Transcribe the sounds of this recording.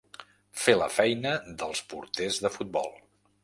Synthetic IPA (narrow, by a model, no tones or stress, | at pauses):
felə̰fɛjnəðəlˠspṵɾt̪ezðəfut̪̚bɔ̰lˠ